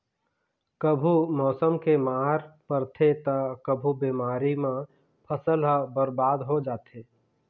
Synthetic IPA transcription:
kəbʱumɔːsəmkemaːɦɾpəɾt̪ʰet̪akəbʱubiːmaːɾimã | pʰəsəlɦəbəɾbaːd̪ɦod͡ʒaːt̪ʰeː

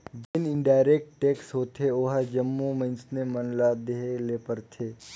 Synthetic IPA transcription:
d͡ʒɪnɪɳɖaːɪɾeːk̚ʈʈeːksɦoːt̪ʰeoɦad͡ʒəmːumə̃nsnemənlad̪eɦeleːpəɾt̪ʰeː

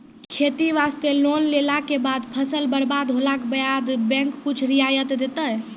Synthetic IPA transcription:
kʰet̪iʋast̪elonlelakebad̪pʰəsəlbəɾbad̪ɦolakbəjad̪bɛ̃ŋkːut͡ʃʰɾijajət̪d̪et̪əj

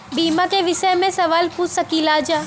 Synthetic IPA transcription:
biːmãkeʋɪʃəjmẽsɐʋaːlpuːt͡ʃɐkiːlaːd͡ʒaː

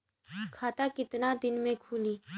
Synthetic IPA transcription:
kʰaːt̪akɪt̪nad̪ɪnmẽkʰuːliː

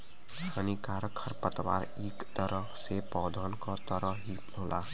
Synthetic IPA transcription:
anikaːɾkʰəɾpət̪ʋa̰ːɾ | iːkt̪əɾə | sepɔːd̪ʱaːnkɔt̪əɾəɦi | loːlaː

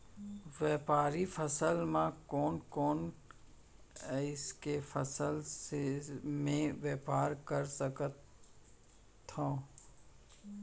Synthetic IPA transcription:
ʋɛːpaːɾifʰəsəlmãkɔːnkɔːn | ɪskefʰəsəlsemẽʋeːpaːɾkəɾsəkət̪ | õː

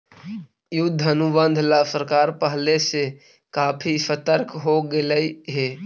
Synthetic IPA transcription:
jʊd̪ʱːənubə̃nd̪ʱlasəɾkaːɾpəɦlese | kaːpʰisət̪əɾkɦoɡeləiɦeː

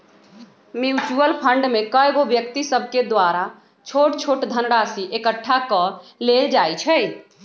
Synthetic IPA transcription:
mjut͡ʃuəlpʰəɳɖmekəjɡobjək̚t̪isəbʱked̪waɾa | t͡ʃʰoʈt͡ʃʰoʈd̪ʱənɾasiʔekəʈʰːakəleld͡ʒajt͡ʃʰɛ

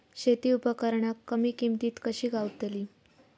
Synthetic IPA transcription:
ɕet̪iːupəkəɾɳakːəmiːkimt̪iːt̪kəɕiːɡʱawt̪eliː

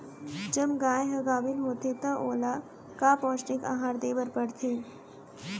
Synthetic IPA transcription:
d͡ʒəbɡaːjɦɐɡaːʋɪnɦoːt̪et̪ɐʔoːla | kaːpɔ̃ːsʈɪka̰ɦaːɾd̪eːbəɾpəɽt̪ʰeː

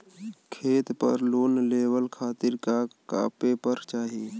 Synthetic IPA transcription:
kʰeːt̪pə̰ɾloːnleːwəlkʰaːt̪ɪɾkaka̰ːpepəɾt͡ʃaːɦiiː

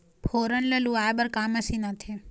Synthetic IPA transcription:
pʰoːɾənləluːaːjbəɾkaːməsinat̪ʰe

